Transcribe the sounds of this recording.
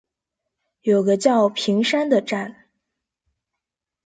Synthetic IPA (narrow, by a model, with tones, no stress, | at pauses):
jo˨˩ʊɡə˦t͡ɕjɑ˥˩ʊpʰi˧˥ŋʂa˥nd̪ə˨ʈ͡ʂa˥˩n